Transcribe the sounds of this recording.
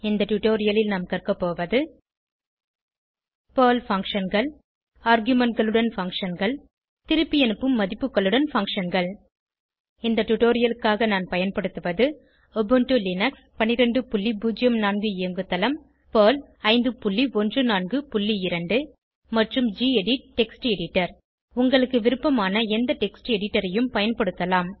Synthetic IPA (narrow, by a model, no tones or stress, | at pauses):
ɪnd̪ɐʈʊʈoːɾɪjɐlɪlnaːmkɐrkɐpːoːʋɐðɯ | poːlfɐŋkʂɐnɡɐɭ | aːɾɡjɯmɐɳʈɡɐɭɯɽɐnfɐŋkʂɐnɡɐɭ | t̪ɪɾɯpːijɛnɯpːɯmːɐðɪpːɯkːɐɭːɯɽɐnfɐŋkʂɐnɡɐɭ | ɪnd̪ɐʈʊʈoːɾɪjɐlɯkːaːɣɐnaːnpɐjɐnpɐɽɯt̪ːɯʋɐðɯ | ɔbɯɳʈulɪnɐkspɐnɪɾɐɳɖɯpʊlːibuːd͡ʒɪjɐmnaːnɡɯɪɐŋɡɯt̪ːɐlɐm | poːl | ɐɪnd̪ɯpʊlːiɔndrɯnaːnɡɯpʊlːiɪɾɐɳɖɯ | mɐʈrɯmd͡ʒiɛɽiʈɛksʈɛɽɪʈːɐɾ | ʊŋɡɐɭɯkːɯʋɪɾɯpːɐmaːnɐɛnd̪ɐʈɛksʈɛɽɪʈːɐɾɐjɯmpɐjɐnpɐɽɯt̪ːɐlaːm